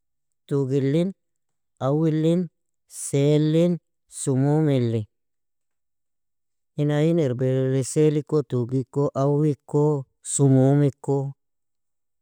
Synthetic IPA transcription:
tuɡilːin | awilːin | selːin | sumumelːe | inajineɾbeleselikːotuɡikːoʔawikːo | sumumikːo

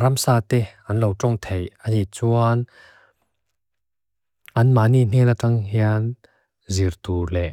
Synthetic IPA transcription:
ɾamsaːt̪eʔɐnlowʈ͡ʂɔŋt̪ʰejanit͡suan | ʔɐnmaʔnin̥inaʈ͡ʂaŋɦian | zirt̪uːlɛʔ

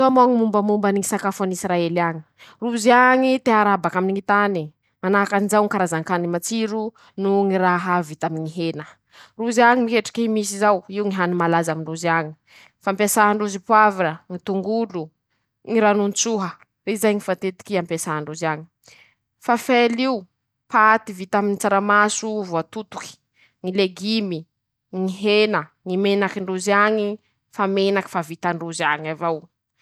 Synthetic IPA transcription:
t̪oamoŋimumbəmumbaniŋisakafanisɾaeliaɲi̥ | ruziaŋit̪eaɾabakaminiŋit̪ani | manakanizawŋikaɾazaŋkanimat͡siɾu | nuŋiɾaɦavit̪amŋiɦenə | ruziaɲimikeʈ͡ʂi̥kimis̬izawiwŋiɦanimalazamiɳɖ͡ʐuziaɲi̥ | fampesaɦaɳɖ͡ʐuzipwaviɾəŋit̪uŋɡulu | ŋiɾanunt͡suɦə | izajŋifat̪et̪i̥kiampesaaɳɖ͡ʐuzaɲi̥ | fafeliu | paːt̪ivit̪aminit͡saɾamasuvuat̪ut̪u̥ki̥ | ŋileɡimi | ŋiɦenə | ŋimenakiɳɖ͡ʐuziaɲi | famenaki̥favit̪aɳɖ͡ʐuziaɲavaw

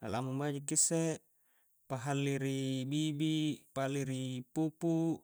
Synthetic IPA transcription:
a̰lamubad͡ʒikːisːe | paɦalːiɾibibipaalːiɾipupu

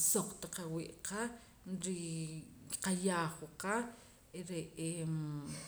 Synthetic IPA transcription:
soq͡χt̪aqawiʔqa | ɾi | qajaːχwqa | eɾeʔem

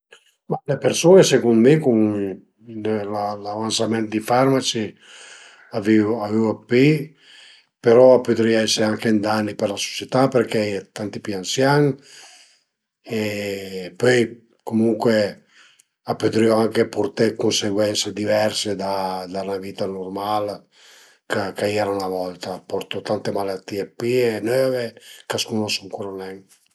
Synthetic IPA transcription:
malepeɾsoːnesekund̪mekun | lalavansamɛnt̪d̪ifaɾmat͡ʃi | aviavevapi | peɾɔapøt̪ɾioɛsːeɾeaŋkend̪anːipeɾlaso̥t͡ʃet̪apeɾket̪ant̪ipiansjaŋ | e | pøj | komuŋkwe | apːøt̪ɾioaŋkepoɾt̪ekonseɡwɛnsed̪ivɛrsed̪ad̪anaviːt̪anormal | kakaiɾanavɔlt̪apɔɾt̪ot̪ant̪emalat̪ːiːepienøːvekaskunosuŋkuɾanɛŋ

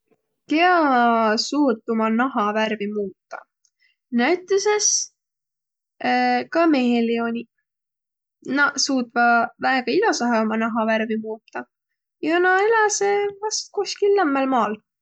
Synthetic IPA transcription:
keɑsuːt̪ːumɑnɑɦɑværvimuːt̪ːˑɑ̰ | næɥt̪ːˑeses | kɑme̞ɦelio̞nʲi | nɑsuːt̪vɑvæeɡ̥ɑilɑsɑɦeomɑnɑɦɑvæɾvimuːt̪ːɑ | jɑnɑelɑsevɑst̪̚kuskilːæmːelmɑːl

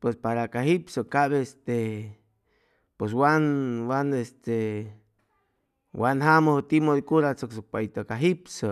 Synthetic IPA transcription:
pwespaɾakaɦipsokaβest̪e | pes̬wanwanest̪e | wanɦamohot̪imod̪ikuɾat͡soksok̚pait̪okaɦipso

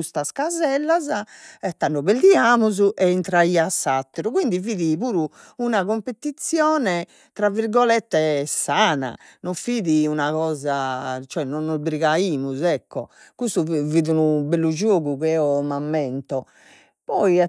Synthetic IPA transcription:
ust̪askazɛlːazaɛt̪ːanːɔβeld̪iaːmuzuʔɛint̪ɾaiːasːat̪ːɛɾukwind̪iviːðiβuːɾuunaɣompet̪it̪sjɔːnɛ | t̪ɾavːiɾɡɔlɛt̪ːɛsaːna̰nɔfiːðiunaɣɔːzat͡ʃɔɛnɔnːɔzbɾiɣaiːmuzɛkːɔ̰kust̪uviːðunubɛlːud͡ʒoːɣuɣɛɔmamːɛnt̪ɔ | pɔi

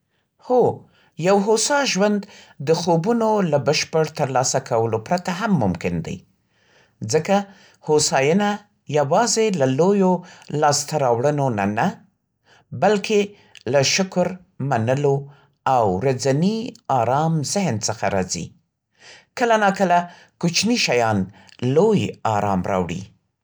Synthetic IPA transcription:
ho | jawɦosɑʒwand̪ː | əxobunolabəʃpəɽt̪əɾlɑsakʰawəlopɾat̪aɦamːʊmkɪnd̪a̰j | zəka | hosɑjəna | jawɑzelalojolɑst̪aɾɑwɽənona̰na | balkʰe | laʃʊkɾ | manəlo | awɾad͡zaniɑɾɑmzɪhnt͡səxaɾɑ̰zḭ | kəlanakəla | kut͡ʃniʃajɑnlojɑɾɑ̰mɾɑ̰wɽḭ

